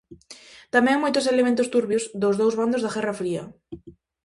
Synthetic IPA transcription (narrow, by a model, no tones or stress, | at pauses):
t̪amɛ̃ŋmojt̪oselemẽnt̪ʊst̪uɾβiozd̪ozðowzβand̪ozðaɣɛrafɾiɐ̰